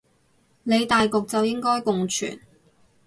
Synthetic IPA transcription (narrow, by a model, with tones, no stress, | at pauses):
ne˨˧jt̪aː˨jkʊ˨k̚t͡sɐ˨wjɪ˥ŋkɔː˥jkʊ˨ŋt͡ʃʰy̰ː˨˩n